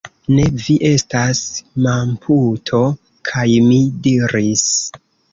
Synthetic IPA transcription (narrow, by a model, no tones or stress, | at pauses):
ne̞viʔe̞stasmampʰutʰo̞ | kʰajmidiɾis